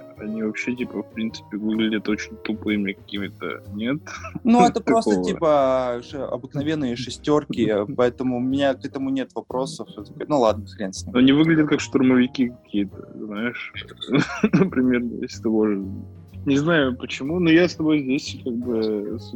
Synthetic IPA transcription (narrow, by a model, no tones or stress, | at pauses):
ɐnʲivɐpɕːetʲipəfpɾʲint̪sɨ̥pʲɪvɨɡlʲɪdʲət̪ot͡ɕɪnʲt̪ʊpɨmʲɪkɐ̥kʲimʲɪt̪ə̰nʲe̞t̪nuɛt̪əpɾɐo̞sovt̪ʲipəʂɨɐ̰bɨknɐvʲe̞nːɨjəʂɨsʲtʲorkʲɪpɐɛt̪əmʊʊmʲɪnʲakɛt̪əmʊnʲe̞t̪vɐpɾo̞səfɛt̪konulˠad̪nəfʲɪɾʲensnʲɐnʲivɨɡlʲɪdʲət̪̚kakʂt̪ʊrməvʲɪkʲikɐkʲijət̪ə̰znajɪʂ | nəpɾʲɪmʲernə̰jḛsʲt̪voʐ | nʲɪznajʊpət͡ɕɪmunujast̪ɐbo̞jzʲdʲesʲkaɡ̚bɨs